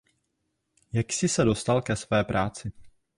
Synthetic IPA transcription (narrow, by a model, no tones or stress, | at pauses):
jaksɪsɛdo̞st̪alkɛsvɛːpɾʔaːt͡sɪ